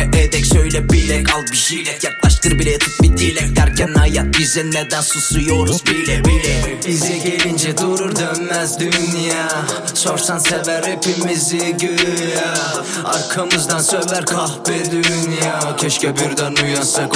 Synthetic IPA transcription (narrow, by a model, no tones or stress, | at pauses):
ɛʔɛd̪ɛcʃøjlʲɛbilɛkalˠbiʃijlɛjaklˠaʃt̪ɯɾbilʲɛt̪ʰup̪̚bid̪ʰiːlʲɛcd̪æɾcʰænːajat̪̚ɟyzɛnːɛɾd̪ænsusujoɾuzbilɛbilɛ | izɛɟelind͡ʒɛd̪uɾuɾd̪ønmæzd̪ynja | soɾsansɛvɛɾepimiziɟøja | a̰ɾkʰamɯzd̪ɑnsølæɾkʰahbɛd̪ynjacʰɛʃcɛbiɾd̪ænujansɯk